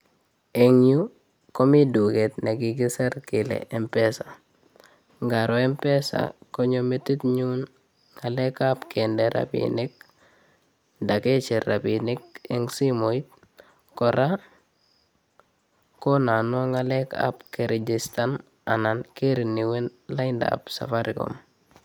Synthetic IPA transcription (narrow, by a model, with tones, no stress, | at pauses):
e˨ŋju˦ | ko˦mi˦du˨ke˨t̪ne˨kiɡi˦se˦ɾkɪlɛ̰ʔe˨mpɛ˦sa | ŋɡaɾo˨e˦mpɛ˦sa̰˨ko˦ɲome˦ti˦tɲu˦n | ŋa˨lɛ˦ka˦pkʰendeɾa̰pḭni˦k̚ | ndake˦t͡ʃeɾabinik̚eŋsi˦mo˨it̚ | kɔɾa | ko˦na˨nwa˦ŋalɛka̰pkeɾe˨d͡ʒista˦n | anankeɾi˨niwe˦nla˦inda̰psa̰˨faɾiko̰m